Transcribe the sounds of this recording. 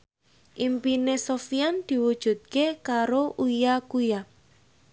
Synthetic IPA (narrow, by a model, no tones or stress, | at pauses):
ʔimpinesofiand̪̥i̤wud̥ʒ̥ṳt̪̚kekaɾoʔujakuja